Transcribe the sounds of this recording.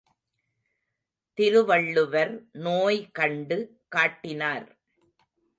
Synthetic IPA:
t̪ɪɾɯʋɐɭːɯʋɐɾnoːjkɐɳɖɯ | kaːʈːɪnaːɾ

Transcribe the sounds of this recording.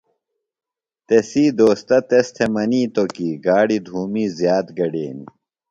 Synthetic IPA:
t̪esiːd̪oːst̪ɐt̪est̪ʰemɐniːt̪okiːɡaːɽid̪ʱuːmiːzjaːt̪ɡɐɖeːni

